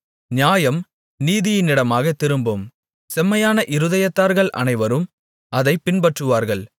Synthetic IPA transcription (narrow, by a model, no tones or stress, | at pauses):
njaːjɐm | niːðɪjɪnːɪɽɐmaːɣɐt̪ːɪɾɯmbɯm | sɛmːɐjaːnɐʔɪɾɯðɐjɐt̪ːaːɾɣɐɭʔɐ̰nɐɪʋɐɾɯm | ɐðɐɪpːɪnbɐʈrɯʋaːɾɣɐɭ